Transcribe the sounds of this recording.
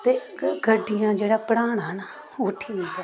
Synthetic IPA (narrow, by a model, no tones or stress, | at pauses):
t̪eːɡəɖɪjãːd͡ʒeːɽaːpəɽaːɳɦən | ʊʈʰːiːɛː